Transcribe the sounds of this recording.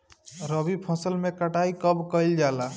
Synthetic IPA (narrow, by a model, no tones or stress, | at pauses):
ɾəbipʰɔ̃səlmekəʈaikəbkəjld͡ʒala